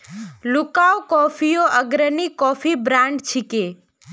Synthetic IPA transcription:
lukawkɔfijoʔəɡɾənikɔfibɾãɳɖt͡ʃʰike

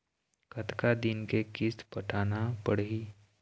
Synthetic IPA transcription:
kət̪kad̪inkekispəʈʰanapəɽɦi

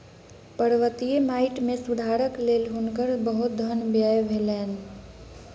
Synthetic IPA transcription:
pəɾʋət̪ijemaːɪʈmẽsʊd̪ʱaːɾəkleːlɦʊnkəɾbəɦʊt̪̚d̪ʱənbjaːjbʱelɛːn

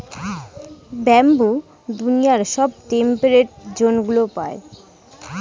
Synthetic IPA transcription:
bɛmbu | d̪unijaɾʃɔb̚ʈempeɾeʈ̚d͡ʑonɡulopa̰e

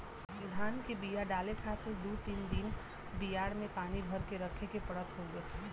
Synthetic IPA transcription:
d̪ʱaːnkebijaɖaːlekʰaːt̪ɪɾd̪ut̪iːnd̪in | bijaːɽmẽpaːnibʱəɾkeɾəkʰekepəɽət̪ɦoɡəː

